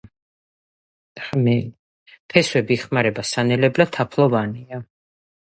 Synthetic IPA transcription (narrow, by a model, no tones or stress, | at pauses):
mɛ | pʰɛswɛbiːχmaɾɛbasanɛlɛblat̪ʰːapʰlˠɔvania